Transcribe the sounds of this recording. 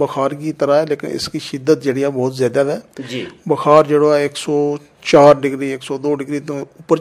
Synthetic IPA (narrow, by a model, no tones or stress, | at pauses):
bəkʰaːɾkiːt̪əɾãːɛːleːkɪ̰nɪ̰skiːʃɪd̪ːət̪̚d͡ʒeːɽɪjaːbɔːt̪zjaːd̪aːd̪ɛːd͡ʒibəkʰaːɾd͡ʒeːɽoːɛːɪksɔː | t͡ʃaːɾɖɪɡɾiːɪksɔːd̪oːɖɪɡɾiːt̪õːʊpːəɾ